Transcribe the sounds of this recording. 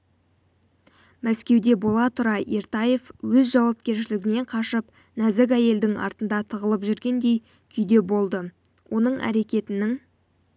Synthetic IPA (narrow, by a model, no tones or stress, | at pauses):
mæskʲe̞wd̪e̞bo̞lˠɑt̪ʰʊɾɑʔeɾt̪ɑje̞fwɵzʒɑwɑp̚kʲe̞ɾʃɪlɪɡʲɪne̞ɴqʰɑʃəp | næzɪk̬ʲæje̞ld̪ɪŋɑ̰ɾt̪ənd̪ɑt̪ʰəʁəlˠəpʒʏɾɡʲe̞nd̪e̞j | kʲʰʏjd̪e̞bo̞lˠd̪ə | wʔo̞nəɴʔæ̰ɾe̞kʲe̞t̪ɪnɪŋ